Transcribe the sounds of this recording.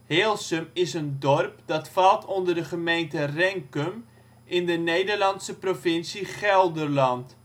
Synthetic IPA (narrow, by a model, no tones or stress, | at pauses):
heːlˠsəmɪsəndɔrp̚d̥ɑtfɑlˠtɔndərdəχəmejntərɛŋkəm | ʔɪndənejdərlɑnsəprofɪnsiχɛlˠdərlɑnt